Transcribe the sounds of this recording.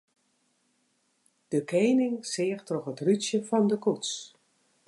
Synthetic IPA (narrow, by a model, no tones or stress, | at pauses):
d̥əkeːnɪŋsɪːəxtrɔχətrysjəfɔndəkuts